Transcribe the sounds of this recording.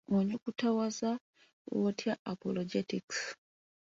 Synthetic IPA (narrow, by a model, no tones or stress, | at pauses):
oɲd͡ʒukutawaza̰ | wotʰjaapoloɟetiks